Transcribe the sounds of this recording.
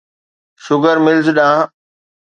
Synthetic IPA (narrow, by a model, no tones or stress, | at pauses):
ʃʊɡəɾmɪld͡ʑɗãː